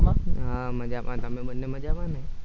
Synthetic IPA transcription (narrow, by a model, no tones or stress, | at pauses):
ɦãməd͡ʒaʋãt̪əmebənːeməd͡ʒaʋane